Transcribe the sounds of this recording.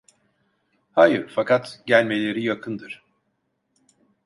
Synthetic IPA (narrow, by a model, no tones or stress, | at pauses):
hajɯɾfakʰat̪ɟælʲme̞lʲe̞ɾijakʰɯnd̪ɯɾ̥